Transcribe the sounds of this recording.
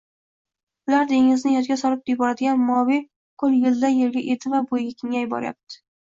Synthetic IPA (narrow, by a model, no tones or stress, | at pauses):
ʊlaɾd̪e̞ŋɪznɪjɒt̪ɡʲasɒɾɪp̚d̪ɪjbɒɾad̪ɪɡʲanmɒwi | qʰʊlˠjɪld̪ajeɾɡʲaʔe̞d̪ɪvabojɡʲakʲʰɪŋʲajɪbɒ̰ɾja̰p̚t̪ʰɪ̥